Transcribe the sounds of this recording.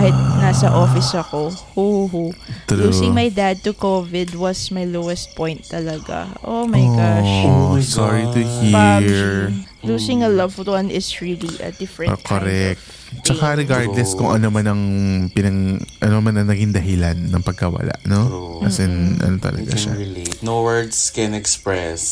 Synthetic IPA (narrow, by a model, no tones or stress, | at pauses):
ahɪt̪̚nasɐʔoːfɪsɐkohuhut̪ɾuːsɪ̃ŋmɐjd̪ad̪̚t̪ʊkovɪd̪wɐsmɐjlowɛst̪̚pɔ̃jnt̪ːɐlɐɡa̰ʔomɐjɡaʃsaɹit̪ʊhiɹ | luːsɪŋɐlɐvwɐ̃nɪsɹiliʔɐ̰d̪ɪfɹɛ̃kʰoɾɛk̚t̪ | t͡ʃɐkaɾɛɡaɹd̪lɛskʊŋʔɐnomanɐŋpɪnɐŋʔɐnomanɐŋnɐɡiŋd̪ɐɦɪlanːɐŋpɐɡ̚kɐwɐ̰la̰ʔnokɐsɛnʔɐ̰not̪ɐ̰lɐ̰ɡa̰ʃa̰nowɜ˞d̪skɛnɛkspɹɛs